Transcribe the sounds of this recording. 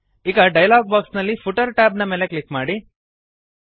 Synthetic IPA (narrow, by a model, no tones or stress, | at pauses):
iɡɐɖɐjlaːɡ̚baːksnɐlːipʰuʈɐɾʈaːbnɐmeːleklikmaːɽi